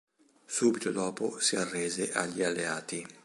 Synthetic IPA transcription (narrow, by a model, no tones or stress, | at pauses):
suːbit̪od̪ɔːposiarːeːzeʔaʎːialːeaːt̪i